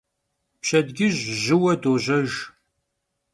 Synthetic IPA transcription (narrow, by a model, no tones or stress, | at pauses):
pɕɐdɡʲɪʑʒɪwɐdoːʑɐʒ